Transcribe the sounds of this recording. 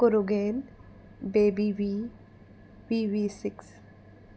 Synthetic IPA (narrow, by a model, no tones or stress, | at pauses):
koɾoɡeːn | beːbiʋiː | ʋiːʋiːsɪks